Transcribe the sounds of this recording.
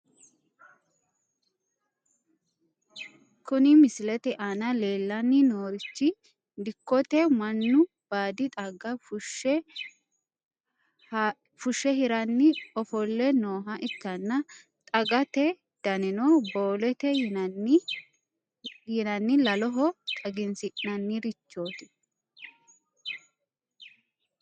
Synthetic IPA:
kʊnɪmɪsɪlɛt̪ɛʔaːnɐleːlːɐnːɪnoːɾɪt͡ʃːɪ | d̪ɪkːɔt̪ɛmɐnːʊ | b̥aːd̪ɪt̪ʼɐɡɐfʊʃɛ | fʊʃːɛɦɪɾɐnːɪɔfɔlːɛnoːɦɐʔɪt̪ːɐnːɐ | t̪ʼɐɡɐt̪ɛ | d̪̥ɐnɪnoboːlɛt̪ɛ | jɪnɐnːɪlɐlɔɦɔt̪ʼɐɡɪnsɪʔnɐnːɪɾɪt͡ʃːo̞ːt̪ɪ̥

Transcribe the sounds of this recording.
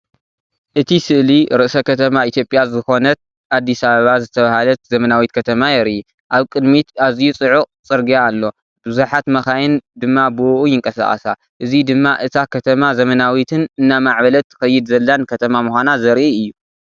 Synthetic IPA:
ʔɨt̪ʰisɨʔliɾɨʔsɐkʰɐt̪ʰɐmait̪ʰjo̞pʼjazɨxo̞nɐt̪̚ | ʔad̪ːisaβɐβazɨt̪ʰɐβahalɐt̪zɐmɐnawit̪kʰɐt̪ʰɐmajɛɾi | ʔaβkʼɨd̪mit̪aβzijut͡sʼɨʕuqʼt͡sʼɨɾɡiaːlːo̞ | b̥ɨzuħat̪mɐxajɪnd̪ɨmːabuʔujɪŋkʼɐsa̰χʼɐ̰sa | ʔɨzid̪ɨmːaʔɨt̪ʰakʰɐt̪ʰɐmazɐmɐnawit̪ʰɨnɨnːamaʕβɐlɐt̪xɐjːɪd̪zɐlːɐnkʰɐt̪ʰɐmamuxʷanazɐɾʔiɨjːu

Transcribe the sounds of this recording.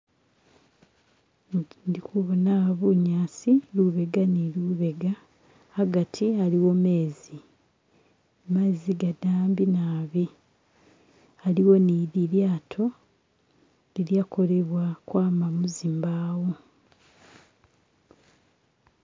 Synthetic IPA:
ndikuβonaβuɲaːsiluβe̞ɡaniluβe̞ɡaː | ɡatʰialiwo̞me̞ːzi | maziɡadaːmbinaːβi | aliwo̞niɾiljaːtʰo̞ | liljako̞le̞βwakwaːmamuzimbaːwo

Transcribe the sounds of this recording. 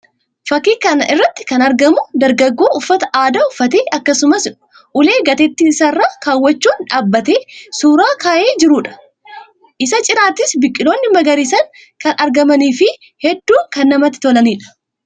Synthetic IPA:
fɐkːiːkɐnɐʔɪrːɐt̪ːɪ̥kɐnɐɾɡɐmʊd̪ɐɾɡɐɡːo̞ːʔʊfːɐt̪ɐʔaːd̪ɐʊfːɐt̪eːɐkːɐsʊmɐs | ʔʊle̞ːɡɐt̪ɛt̪ːiːɪsɐrːaːkaːwːɐt͡ʃːuːnᶑaːbːɐt̪e̞ːsuːɾaːkaːjʔe̞ːd͡ʒɪɾuːᶑɐ̥ | ʔɪsɐt͡ʃʼɪɾaːt̪ːɪsbɪkʼːɪlo̞ːnːɪmɐɡɐɾiːsɐŋ | kɐnʔɐɾɡɐmɐniːfɪ | hɛd̪ːuːŋkɐnːɐmɐt̪ːɪ̥t̪ɔlɐniːᶑɐ̥

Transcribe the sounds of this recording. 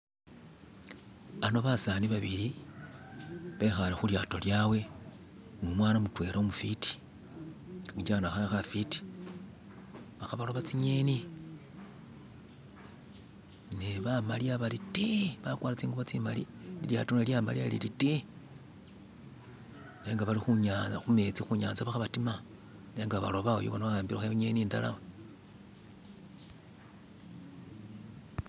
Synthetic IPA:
ano̞βasaniβaβili | βe̞xalexuljaːto̞ljawe̞ | ŋomwaːnamutwe̞ːɾaomufiti̥ | id͡ʒanaxaxafiti̥ | βaxaβaloβat͡siɲeni | neβamaliaβalitiβakwaːlat͡siːŋɡuβot͡simalḭilja̰tunaljama̰lialḭliti | ne̞ːŋɡaβalixuɲaxume̞t͡sixuɲaːnzaβaxaβatima | neːŋɡaβa̰lo̞βao̰joβonoβaaːmbiɾaxeɲeniːnda̰la̰m

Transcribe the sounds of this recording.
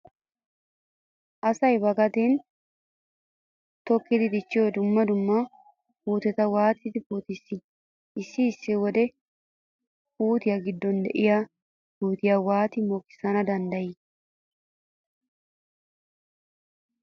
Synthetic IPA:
ʔɐsɐjbɐɡɐt̪ɛn | t̪ɔkːɪd̪ɪd̪ɪt͡ʃːɪjɔd̪ʊmːɐd̪ʊmːɐ | puːt̪ɛt̪ɐwaːt̪ɪd̪ɪpuːt̪ɪsːɪ | ɪsːɪːsːɪwɔd̪ɛ | puːt̪ɪjɐɡɪd̪ːɔnd̪ɛ̰ʔɪja | buːt̪ɪjɐwaːt̪ɪmoːkːɪ̥sɐnɐd̪ɐnd̪ɐjɪ

